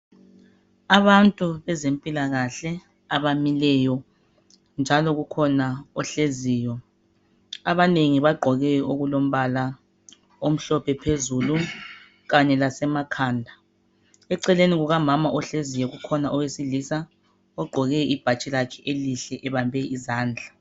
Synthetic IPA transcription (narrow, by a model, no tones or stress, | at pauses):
aβantʼuβɛzempʼilaɣaɬɛ | aβamilɛjɔ | nd͡ʒʱalɔɣukʰɔnaɔɬeziːjɔ | aβaneŋiβaɡ͡ǃʱɔɣɛjɔoɣulom̩βala | om̩ɬɔpʰɛpʰezulu | ɣaɲɛlasɛmakʰaːndʱa | ɛǀɛleniɣuɣamamaʔɔɬezijɔɣukʰɔnaʔɔwesilisa | ɔɡ͡ǃʱɔɣɛib̥ʱat͡ʃʼilakʰɛʔeliɬɛʔɛβambʱɛizaːnd͡ɮʱa